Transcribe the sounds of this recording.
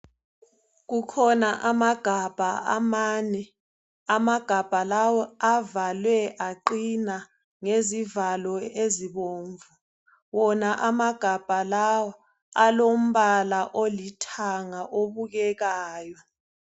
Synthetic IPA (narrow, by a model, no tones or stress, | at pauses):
k̬ukʰɔnaʔamaɡ̥ʱab̥ʱaamaːnɛ | amaɡ̥ʱab̥ʱalawɔavalwɛʔaǃina | ŋezivalɔeziɓoːɱvu | wɔnaʔamaɡ̥ʱab̥ʱalawɔ | alom̩ɓalaʔolitʰaŋaʔoɓuk̬ɛk̬aːjɔ